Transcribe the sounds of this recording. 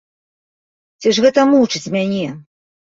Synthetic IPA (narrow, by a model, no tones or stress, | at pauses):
t͡sʲɛʂɣɛt̪ɐmut͡ʂɨt͡sʲmʲanʲɛ